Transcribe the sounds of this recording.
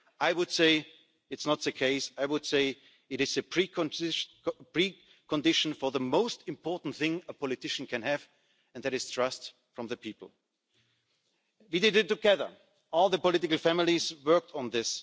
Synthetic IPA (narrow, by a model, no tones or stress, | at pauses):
aɪwʊd̥seɪ | ɨtsnət̪̚ðɨkʰeɪsaɪwʊd̥seɪ | ɨɾɨzɨpʰɹ̥i | pʰɹ̥i | kʰə̃ndɪʃn̩fɔ˞ðəmoʊstɪ̃mpʰɔɹtn̩t̪θɪ̃ŋəpʰɔlɨtɪʃn̩kʰɨ̃nɨv | ɨ̃nðɨɾɨz̥tʰɹ̥ʌst | fɹʌ̃mðɨpʰipl̩ˠ | widɪdɪtːɨɡɛðə̰˞ | ɔlˠðəpɔlɪtɪkl̩ˠfæmɪlˠizwɜ˞k̚tʰn̩ðɪs